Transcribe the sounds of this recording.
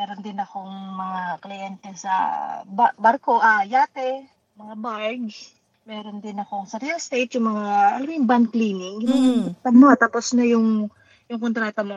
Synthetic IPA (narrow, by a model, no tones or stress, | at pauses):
mɛːɾond̪ɪnɐkoŋmɐŋaklɪjɛnt̪ɛsɐ̰bbaɾko̞ʔajaːt̪ɛ | mɐŋabaɹɡ | mɛːɾond̪ɪnɐko̞ŋsɐɾiɐlst̪ejt̪jʊŋmɐŋaʔɐlɐmjʊŋban̚kliːnɪŋjɪnʊpɐɡ̚mʊhat̪aːposnɐjʊŋ | jʊŋkont̪ɾaːt̪ɐmo